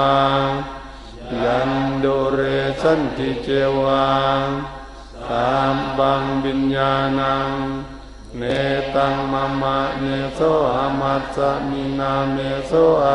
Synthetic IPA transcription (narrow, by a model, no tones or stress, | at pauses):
a | jandoɾesant̪it͡ʃewa | t̪ambaŋbinjanaŋ | net̪aŋmamaʔnesoamat̪̚saʔminamesɔa